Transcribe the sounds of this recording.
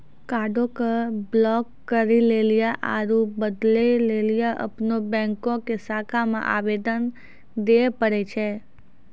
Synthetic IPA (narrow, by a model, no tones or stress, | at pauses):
kaɖokəblɔkːəɾilelijaʔaɾubəd̪lelelijaʔə̰pnobɛ̃ŋkokesakʰamã̰ʔaʋed̪ən | d̪epəɾet͡ʃʰe